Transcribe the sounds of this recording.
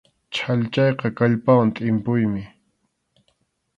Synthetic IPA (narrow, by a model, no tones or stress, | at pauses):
t͡ʃʰaʎt͡ʃɑjqɑkaʎpawant̪ʼɪmpʊjmɪ